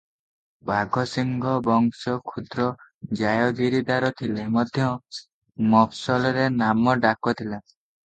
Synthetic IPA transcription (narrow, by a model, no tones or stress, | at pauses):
baɡʱɔsiŋɡʱɔbɔŋsɔkʰud̪ɾɔd͡ʒajɔɡiɾid̪aɾɔt̪ʰilemɔd̪ʱjɔ | mɔpʰsɔlɔɾenamɔɖakɔt̪ʰila